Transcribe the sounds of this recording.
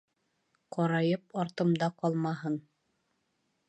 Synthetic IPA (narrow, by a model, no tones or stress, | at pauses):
qɒɾɑjɤp̚ɑɾt̪ɤ̆md̪ɑqɒlˠmɑɦɤn